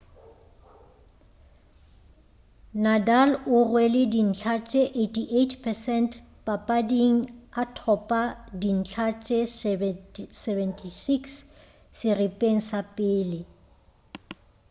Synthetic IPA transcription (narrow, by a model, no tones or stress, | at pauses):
nadalʊrwelɪdin̩t͡ɬʰat͡ʃʼeʔetʰʼiʔetʰpʰɛsɛnt | pʼapʼadiŋ̩atʰɔpʼadin̩t͡ɬʰat͡ʃʼɛs | sɛvɛntʰʼisiks | sɪrɪpʼeŋ̩sapʼɪːlɪ